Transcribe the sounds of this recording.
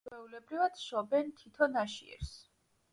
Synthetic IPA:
ɛulɛbɾivad̪̥ʃɔbɛnt̪ʰit̪ʰɔnaʃḭɛ̰ɾs

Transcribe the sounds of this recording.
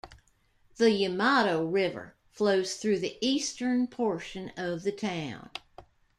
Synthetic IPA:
ðɨjɨmɑɾoʊɹɪvə̰˞ | floʊz̥θɹʉðiʔistə̃˞npʰɔɹʃɨ̃nʌvðɨtʰãʊ̃n

